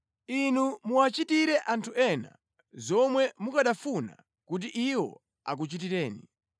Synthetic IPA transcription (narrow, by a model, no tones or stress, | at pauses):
inumuat͡ʃitiɾɛʔantʰuʔɛna̰ | zɔmwɛmukaɗafuna̰ | kut̬iʔiwɔ̰ | a̰k̬ut͡ʃit̬iɾɛːnḭ